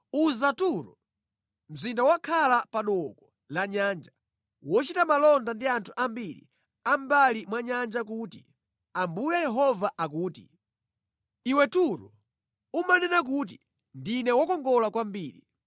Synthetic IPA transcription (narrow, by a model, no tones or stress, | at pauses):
uzatuɾɔ | m̩zindawakʰalapaɗɔkɔ | laɲaːnd͡ʒa | wɔt͡ʃitamalɔndandiantʰu̥ʔambiɾḭ | ambalimwaɲand͡ʒakuːti | ambujajɛɦɔvaʔak̬uːti | iwɛtuɾɔ | umanɛnak̬ut̬i | ndinɛwɔkɔŋɡɔlakwambiːɾi